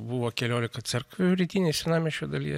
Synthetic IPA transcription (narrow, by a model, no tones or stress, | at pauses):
buʋoːkʲɛlʲoːlʲɪkɐt̪sʲɛɾkʋʲʊɾʲit̪ʲiːnʲeɛsʲɪnɑːmʲɛʃʲod̪ɐlʲḭjɛ